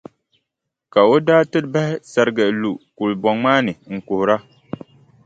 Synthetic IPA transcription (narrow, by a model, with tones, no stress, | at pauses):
ka˨o˦daː˦tɨ˦ɾba˦hɪ˦sa˨ɾɨ˦ɡɨ˨ʔlu˨ku˨lbɔ˨ŋmaː˦nɨ˨ŋ̩˨kʊ˨hʊ˨ɾa˦